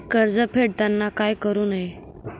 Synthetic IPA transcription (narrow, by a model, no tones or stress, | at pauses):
kəɾd͡zəpʰeɽt̪janːakajkəɾuːnaɦe